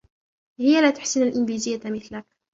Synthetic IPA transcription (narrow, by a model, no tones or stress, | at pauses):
hɪjːælæːt̪ʊ̥ħsɪnalʔɪnvizɪjːamɪθlak̚